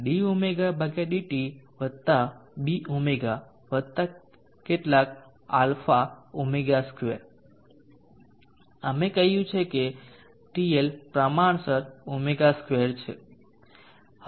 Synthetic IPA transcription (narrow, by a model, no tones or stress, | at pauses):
ɖiumeɡabʱəɡeɖiʈiʋəd̪̚t̪abiʔumeɡa | ʋəd̪̚t̪a | keʈlak | a̰lfaumeɡaskʋḛɾ | əmekəɦjũt͡ʃʰeke | ʈielpɾəmaɳsəɾumeɡaskʋeɾt͡ʃʰḛ